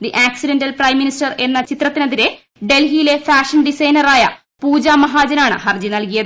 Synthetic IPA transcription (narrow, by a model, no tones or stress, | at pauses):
d̪iʔaːksiɖendɐlprɐjmːinisʈɐre̞nːɐt͡ɕit̪rɐt̪ːinɐðiɾe̞ | ɖe̞lɦijile̞faːʂɐnɖisɐjnɐraːjɐ̰ | puːd͡ʑaːmɐɦaːd͡ʑɐnaːɳɨ̰hɐrd͡ʑinɐlkijɐðɨ